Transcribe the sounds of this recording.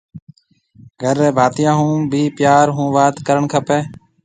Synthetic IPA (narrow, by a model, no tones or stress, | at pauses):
ɡʱəɾɛːbʱaːt̪jãːɦũːbʱiːpjaːɾɦũːʋaːt̪kəɾəɳkʰəpeː